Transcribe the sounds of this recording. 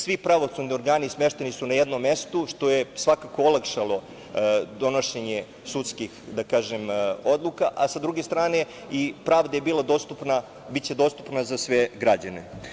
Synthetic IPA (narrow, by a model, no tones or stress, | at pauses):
sʋipɾaʋo̞sud̪nio̞ɾɡaːnismeʃt̪enisunajed̪nomːe̞st̪uʃt̪o̞jesʋakako̞olakʃalo̞ | d̪o̞no̞ʃeɲe | sut̪skixd̪akaːʒemo̞d̪lˠukaʔasad̪ɾuɡe̞st̪ɾaːne̞ | ipɾaːʋd̪aje̞biːlˠad̪ost̪upna | bitt͡ɕed̪o̞st̪u̥pnazasʋeɡɾad͡ʑanḛ